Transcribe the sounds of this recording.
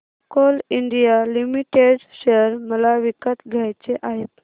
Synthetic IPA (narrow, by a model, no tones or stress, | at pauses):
kɔliɳɖijalimiʈeɖɕeəɾməlaʋikət̪ɡʱjajt͡seʔaɦet̪